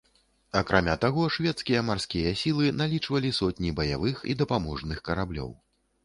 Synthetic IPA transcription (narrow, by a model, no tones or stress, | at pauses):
ɐkɾamʲat̪aɣɔʂvʲɛt̪skʲijɐmarskʲijɐsʲilˠɨnalʲit͡ʂvɐlʲisɔt̪ʲnʲibɐja̰vɨxḭd̪ɐpamɔʐnɨxkɐɾablʲɔ̰w